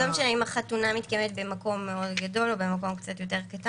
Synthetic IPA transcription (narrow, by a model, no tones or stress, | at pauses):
omʃaneimaχatunamitkaemet̪̚be̞mako̞mːeo̞dɡado̞lo̞bemako̞mkt͡sat̪jo̞t̬e̞ʁkata